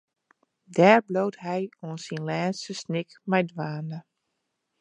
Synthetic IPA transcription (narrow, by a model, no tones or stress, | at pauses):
dɛːɹbloːthɛjoənsinlɛːnsəsnɪkmɛjdʋaːndə